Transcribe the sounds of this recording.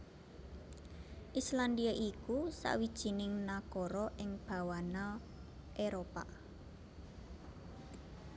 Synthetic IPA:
ʔisland̪iaʔikusa̰ʔwid̥ʒ̥i̤nɪŋnakoɾɔʔɪŋb̥a̤wana | ʔeɾopa̰

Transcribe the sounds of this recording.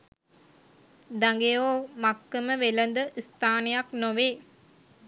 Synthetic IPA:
d̪aŋɡejoːmakːəməʋelənd̪əʔist̪aːnejaknoʋeː

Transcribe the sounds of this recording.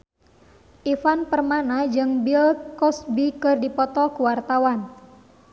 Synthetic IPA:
ʔifanpərmanad͡ʒɨŋbilkɔsbikɨrdipɔt̪ɔkuwart̪awan

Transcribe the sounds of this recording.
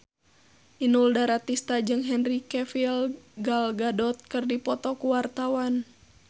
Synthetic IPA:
ʔinuldaɾat̪ist̪ad͡ʒɨŋɦɛnrikɛfilɡalɡadɔt̪̚kɨrdipɔt̪ɔkuwart̪awan

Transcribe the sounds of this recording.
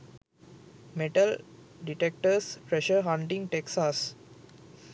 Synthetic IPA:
meʈəl | ɖiʈɛk̚ʈəspɾɛʃəɦãɳʈĩŋʈeksas

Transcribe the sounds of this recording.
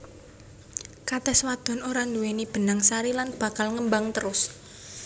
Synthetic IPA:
kat̪ɛswad̪̥ɔ̤noɾand̪uwenib̥ə̤naŋsaɾilanb̥a̤kalŋəmbaŋt̪əɾʊs

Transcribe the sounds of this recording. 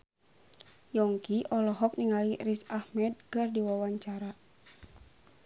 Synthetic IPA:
jɔŋkiʔɔlɔɦɔk̚niŋalirisahmɛd̪̚kɨrdiwawaɲt͡ʃaɾa

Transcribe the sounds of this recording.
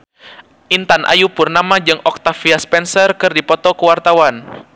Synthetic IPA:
ʔint̪anʔa̰jupʊrnamad͡ʒɨŋɔk̚t̪afiaspɛnsərkɨrdipɔt̪ɔkəwart̪awan

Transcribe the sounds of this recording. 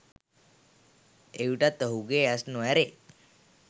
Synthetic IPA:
ewʈat̪ːəɦuɡeasnɔɛɾe

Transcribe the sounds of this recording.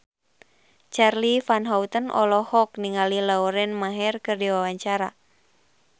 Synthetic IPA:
t͡ʃarlifanɦaut̪ənʔɔ̰lɔhɔkniŋalilauɾɛnmaɦɛrkɨrdiwawaɲt͡ʃaɾa

